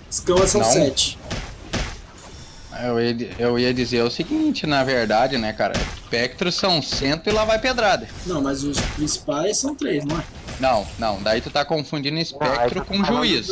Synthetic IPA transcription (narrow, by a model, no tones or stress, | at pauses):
skɐ̃mɐsɐ̃w̃ɛt͡ʃɪ̥ | ewiɐewiɐd͡ʒizeɾʊsiɡĩt͡ʃɪnɐveɾd̪ad͡ʒɪnɛkaɾɐ̰spɛk̚t̪ɾʊssɐ̃w̃sẽnt̪ʊɪlavajped̪ɾad̪ɐnɐ̃w̃mɐzʊspɾĩsi̥pajsːɐ̃w̃t̪ɾejznɐ̃w̃ɛ | nɐ̃w̃nɐ̃w̃d̪ait̪ut̪akõfũd͡ʒinʊispɛkt̪ɾʊkõʒuizʊ